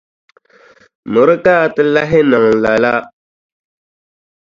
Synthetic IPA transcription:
mʊ˨ɾɨ˦ka˦˨tɨ˦la˦ɦɪ˦na˨ŋ˨la˨la˦

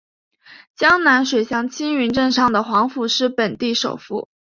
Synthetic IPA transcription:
t͡ɕjɑ˥ŋna˧˥nʂwe˨˩ɪɕjɑ˥˩ŋt͡ɕʰi˥ŋy˧˥nʈ͡ʂə˥˧ŋʂɑ˥˩ŋd̪ə˩xwɑ˧˥ŋfu˨˩ʂɻ̩˥˩pə˨˩nt̪i˥˩ʂo˨˩ʊfṵ˥˩

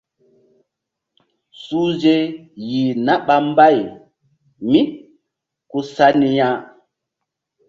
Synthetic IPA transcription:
su˦ze˦ji˨na˦ɓa˦m˦ba˦˨j | mi˦ | ku˦sa˦ni˧ja˦

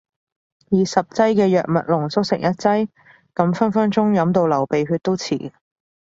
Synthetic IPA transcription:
jiː˨˩sɐ˨p̚t͡sɐ˥jkɛː˧jœː˨k̚mɐ˨t̚lʊ˨˩ŋsʊ˥k̚sɪ̰˨˩ŋjɐ˥t̚t͡sɐ˥j | kɐ˨˥mfɐ˥nfɐ˥nt͡ʃʊ˥ŋjɐ˨˥mt̪o˧wlɐ˨˩wpe˨jɦyː˧t̚t̪o˥wt͡sʰḭː˨˩

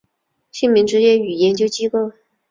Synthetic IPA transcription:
ɕi˥˩nmi˧˥ŋʈ͡ʂɻ̩˧˥t͡ɕjɛ˥y˨˩jɛ˧˥nt͡ɕjo˥ʊt͡ɕi˥ko˥˩ʊ

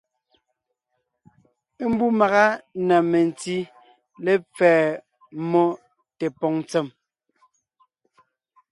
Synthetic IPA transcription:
e˦m̩˦bu˦ma˨ɣa˦na˨me˨n˨ti˦ | lɛ˦p͡fɛː˨ | mɔ˦ | tɛ˨pɔ˨ŋ˦t͡sɛ˦˨m

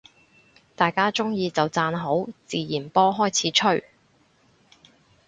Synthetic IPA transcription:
t̪aː˨jkaː˥t͡sʊ˥ŋjiː˧t͡sɐ˨wt͡saː˧nɦo˨˥wt͡siː˨jiː˨˩npɔː˥ɦɔː˥jt͡sʰiː˨˥t͡ʃʰɵ˥˩ɥ

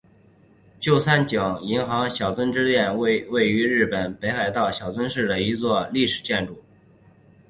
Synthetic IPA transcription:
t͡ɕjo˥˧˩ʊsa˥nt͡ɕjɤ˨˩˦ŋi˧˥ŋxɑ˧˥ŋɕjɑ˨˩ʊt͡swə˥nʈ͡ʂɻ̩˥t̪jɛ˥˧n˥we˥˩ɪy˧˥ɻɻ̩˥˩pə˨˩npe˧˥ɪxa˨˩ɪt̪ɑ˥˩ʊɕjɑ˨˩ʊt͡swə˥nʂɻ̩˥˩d̪ə˩i˧˥t͡swɔ˥˧li˥˩ʂɻ̩˨˩t͡ɕjɛ˥˧nʈ͡ʂu˥˩

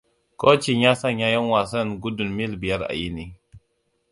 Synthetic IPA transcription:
ko˦t͡ʃi˨ɲa˦sa˦ɲa˦ja˦n˦wa˨sa˦˨nɡu˦du˨nmi˦lbi˨ja˦ɾa̰˨ji˦ni˦

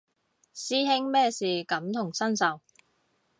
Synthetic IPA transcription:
siː˥ɦɪ˥ŋmɛː˥siː˨kɐ˨˥mt̪ʰʊ˨˩ŋsɐ˥nsɐ˨˩w

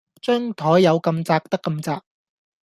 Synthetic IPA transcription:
t͡ʃœː˥ŋt̪ʰɔː˨˥jjɐ˨˧wkɐ˧mt͡saː˧k̚t̪ɐ˥kːɐ˧mt͡saː˧k̚

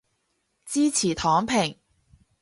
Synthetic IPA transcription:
t͡siː˥t͡sʰiː˨˩t̪ʰɔː˨˥ŋpʰɪ˨˩ŋ

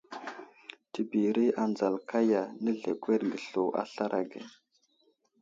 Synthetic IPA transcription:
ti˨bi˨ɾi˦a˨nd͡za˨lkʰa˦ja˨nə˦ɮḛ˨ɡʷe˦ɾɡə˨ɬo˨ʔa̰˦ɬa˦ɾʔa˨ɡḛ˨

